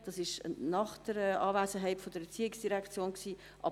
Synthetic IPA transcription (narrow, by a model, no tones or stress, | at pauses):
d̥ɑsɪʃnɑχd̥əɾɛʔɑːvæːsəɦɛɪtfod̥əɾɛt͡siːɪksd̥iɾækt͡sjoːnksiː | ʔɑ̰